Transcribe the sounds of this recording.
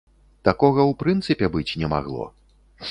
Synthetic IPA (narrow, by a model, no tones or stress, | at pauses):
t̪akɔɣɐwpɾɨnt̪sɨpʲɛbɨt͡sʲnʲɛma̰ɣlˠɔ̰